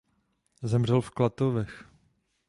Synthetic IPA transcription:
zɛmr̝ɛlfklat̪ovɛx

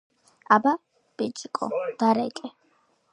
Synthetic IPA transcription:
aba | pʼit͡ʃʼikʼɔ̰d̪̥aɾɛkʼɛ

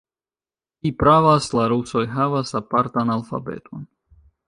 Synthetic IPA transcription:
kipɾavaslaɾuso̞jɦavasapaɾt̪analfa̰be̞̰t̪ʰo̞n

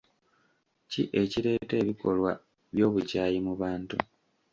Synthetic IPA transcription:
cḭʔe̞ciɾe̞ːte̞ːβiko̞lwa | βjo̞ːβuɟaːjimuβaːntṵ

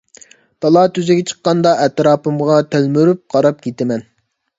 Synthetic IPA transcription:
t̪ɑlˠɑt̪ʰyzɪɡʲɛt͡ʃʰə̥qːɑnd̪ɑʔɛt̪ɾɑːpɨmʁɑt̪ʰølmyɾyp̚qʰɑɾɑp̚kʲʰet̪ɪmɛn

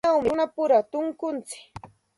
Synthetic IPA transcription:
awmɪnapʊɾat̪ʊŋkʊnt͡sɪ̥k

